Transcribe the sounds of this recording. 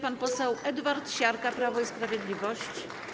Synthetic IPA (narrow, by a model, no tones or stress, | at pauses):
panpɔsɛwʔɛd̪vaɾt̪ɕaɾkapɾavɔispɾavʲjɛd̪lʲivɔɕt͡ɕ